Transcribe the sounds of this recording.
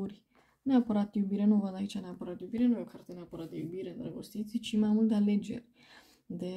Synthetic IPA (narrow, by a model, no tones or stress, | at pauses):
uɾʲ | neapəɾat̪jubiɾenuvənd̪ait͡ʃaneapəɾat̪jubiɾenujokʰaɾt̪eneapəɾat̪̚d̪ḛjubiɾeɨnt̪ɾeɡost̪it̪sit͡ʃimajmult̪eale̞d͡ʒe̞̰rʲ | d̪e